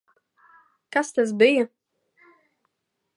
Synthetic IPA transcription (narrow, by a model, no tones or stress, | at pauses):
kast̪as̬bɪjɛ